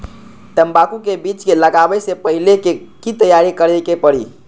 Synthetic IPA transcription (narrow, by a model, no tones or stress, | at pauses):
t̪əmbakukebit͡ʃkeləɡabɛsepəɦilekekit̪əjaɾikəɾɛkepəɽḭ